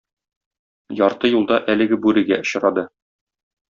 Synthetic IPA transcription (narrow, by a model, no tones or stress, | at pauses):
jɒɾt̪ɤjulˠd̪ɑʔælɘ̆ɡɘbʉɾɘ̆ɡæ̰ŏɕ̆ɾɑd̪ɤ